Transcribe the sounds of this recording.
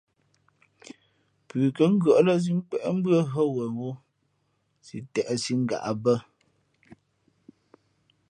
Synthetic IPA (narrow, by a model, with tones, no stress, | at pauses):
pʉː˨kə˦ŋ̩˦ɡə˨ʔlə˦s̬i˦ŋ̩˦k͡pɛ˨ʔm̩˦bɰə˦ɦə˦wɛ˨wu˦ | sḭ˨tɛ˨ʔɛ˨si˦ŋ̩˦ɡa̰˨ʔa˨bə˦